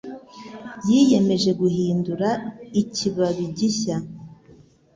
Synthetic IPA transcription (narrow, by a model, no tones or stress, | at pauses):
jije̞me̞ʒe̞ɡuhiːnduɾaiciβaβiɟiça